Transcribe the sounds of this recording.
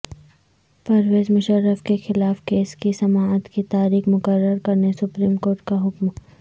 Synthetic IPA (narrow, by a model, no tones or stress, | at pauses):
pɐɾʋeːzmʊʃəɾːəfkexɪlaːfkeːskisɐmaːt̪kit̪aːɾiːxmʊkəɾːəɾkɐɾnesʊpɾiːmkoːɾʈ̚kaɦʊkm